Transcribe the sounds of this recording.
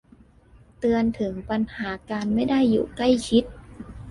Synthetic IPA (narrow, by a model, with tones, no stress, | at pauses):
t̪ɯ˧ənt̪ʰɯ˩˦ŋpa˧nhaː˩˦kaː˧nma˥˩jda˥˩jːṵː˨˩kla˥˩jt͡ɕʰi˦˥t̪̚